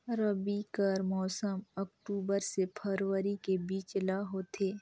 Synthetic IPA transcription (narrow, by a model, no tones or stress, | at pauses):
ɾəbikəɾmɔːsəmɐkʈuːbəɾsepʰəɾʋəɾikebiːt͡ʃlaɦoːt̪ʰeː